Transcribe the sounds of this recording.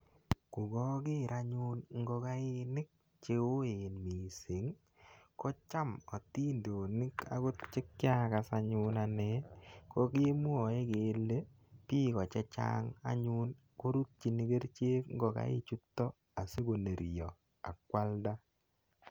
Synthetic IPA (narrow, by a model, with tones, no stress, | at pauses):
kʊ˨ɡɔ˦ɡɪ˦˨ɾa˦ɲʊ˦nŋ˦ɡɔ˧ka˦ɪ˦nɪ˦k̚ | t͡ʃe˦o˦e˨nmi˨sɪ˨˦ŋ | kɔ˦t͡ʃa˦mɔ˨ti˦ndo˨nɪ˦ka̰˦ɡo˦t̚t͡ʃɪ˦k̚ːɪ˦a˦ka˨sa˨ɲʊ˦na˨nɛ˦kɔ˦kɪ˦mu˦ɔ˨e˦ke˨˦lːe˦ | piː˦kɔ˨t͡ʃɛ˦t͡ʃa̰˦ŋa̰˦ɲʊ˦n | ko˦ɾu˦t̚t͡ʃi˨ni˦ɡe˦ɾt͡ʃe˦kŋ˦ɡɔ˨ka̰˦ɪ̰˦t͡ʃu˦tːɔ˦ | a˨se˦ɡo˨ne˨ɾjɔ˨ | a̰˨kwa˦lda˦